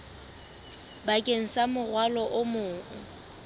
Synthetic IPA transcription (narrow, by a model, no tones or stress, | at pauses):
bakʼeŋ̩samʊrwalɔʔʊmʊː